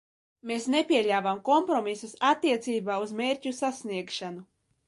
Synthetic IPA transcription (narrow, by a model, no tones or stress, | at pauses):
meːsnepʲiɛʎʲaːvamkɔmpɾɔmisusat̪ːiɛt̪siːbaːuzmeːɾʲcʲusasniɛkʃanu